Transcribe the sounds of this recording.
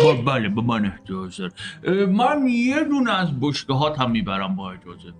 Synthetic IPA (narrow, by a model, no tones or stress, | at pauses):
bbælebemæneht̪ʰiɒzeɾmænjed̪unæzboʃɡeɦɒːt̪ʰæmːiːbæɾæmbɒːed͡ʒɒːze